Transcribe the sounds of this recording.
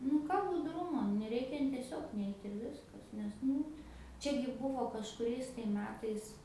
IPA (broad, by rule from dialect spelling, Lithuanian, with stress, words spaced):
nʊ ˈkɑː bʊdˈrʊmoː nʲɛˈrʲɛɪkʲɛ n tʲiɛˈsʲoːk ˈnʲɛɪtʲ ɪr ˈʋʲɪskɐs nʲɛs ˈnʊ ˈt͡ʃʲæːɡʲɪ ˈbuːʋoː kɐʃkʊˈrʲɛɪs tɐɪ ˈmʲæːtɐɪs